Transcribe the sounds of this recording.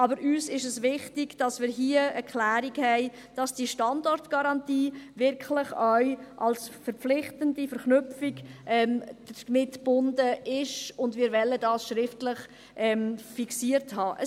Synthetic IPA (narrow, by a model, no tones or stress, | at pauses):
ʔɑbəɾʔyːsɪʃəsʋɪχtɪɡd̥ɑsmɪːɾɦiəəklæːɾiɡhɛɪ | d̥ɑsd̥iʃtɑndɔɾtɡ̥ɑɾɑntiːvɪɾklɪχœɥʔɑ̰lsfəɾpflɪχtəndifəɾχnʏpfiɡʔɛmd̥əmɪtb̥ʊndəʔɪʃʊndmɪːɾvɛlədɑːsʃɾɪftlɪχ | ʔɛmfiksiəɾthɑːʔə